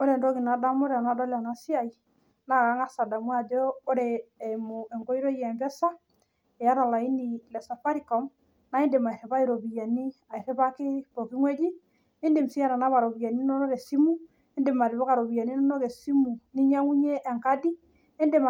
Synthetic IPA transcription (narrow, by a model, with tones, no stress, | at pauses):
o˦ɾe˨ndo˦ki˨na˨da˦mo˦ɾe˨a˨na˨˦dɔ˦la˨na˦si˦a˨i˨ | na˦˨ka˨˦ŋa˦sa˨da˨mwa˨d͡ʒɔː˦ɾeː˨mo˨e˨ŋko˦i˦ɾo˦jɛ˨mbɛ˦sa˦ | e˨ja˦ɾa˨la˨i˦ni˨lɛ˨sa˨fa˦ɾi˨kɔ˨m | na˨˦i˦nde˨ma˨i˨ɾe˨βa˦i˦ɾo˨bi˨ja˨ni˦a˨i˨ɾe˦βa˦ke˦bo˨ki˦ŋwɛ˦d͡ʒi˦ | e˦nde˨msi˦a˨ɾa˨na˦βa˨ɾo˨bi˨ja˨ni˦nɔ˦no˦ke˨si˦mu˦ | e˦nde˨ma˨ɾi˨βɔ˦ka˨ɾo˨bi˨ja˨ni˦nɔ˦no˦ke˨si˦mu˨ni˦ɲa˦ŋu˦ɲe˦ʔːŋka˦di˦ | e˦nde˨m˨